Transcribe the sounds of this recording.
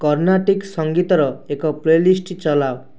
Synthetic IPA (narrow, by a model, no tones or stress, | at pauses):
kɔɾnaʈiksɔŋɡit̪ɔɾɔekɔplelisʈt͡ʃɔlaw